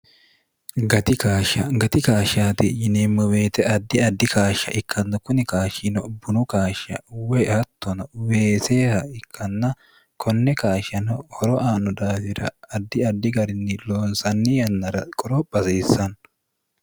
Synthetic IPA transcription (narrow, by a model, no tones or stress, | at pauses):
ɡɐt̪ɪkaːʃɐɡɐt̪ɪkaːʃaːt̪ɪjɪneːmːɐwe̞ːt̪ɛʔɐd̪ːɪɐd̪ːɪkaːʃːɐ̰ʔɪkʰːɐnːɐkʊnɪkaːʃɪnɔbːʊnʊkaːʃɐ̰wehɐt̪ʰːɔnɐwe̞ːseːhɐɪkːɐnːɐ | kʰɔnːɛkaːʃɐnɔhɔɾɔʔaːnːɔd̪aːfɪɾɐ̰ɐd̪ːɪɐd̪ːɪɡɐɾɪnːɪloːnsɐnːɪjɐnːɐɾɐkʼɔɾɔbɐseːsːɐn